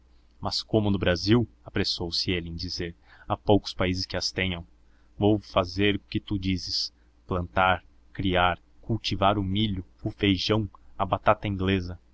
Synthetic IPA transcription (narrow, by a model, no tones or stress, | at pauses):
mɐskõmʊnʊbɾaziw | apɾesowsɪelɪẽj̃d͡ʒizeɾ | apowkʊ̥spaizɪskɪɐst̪ẽɲɐ̃w̃ | vowfazeɾʊkɪt̪ud͡ʒizɪs | plɐ̃nt̪aɾ | kɾiaɾ | kuwt͡ʃivaɾʊmiʎʊʊfejʒɐ̃w̃ɐbat̪at̪ɐĩŋɡlezɐ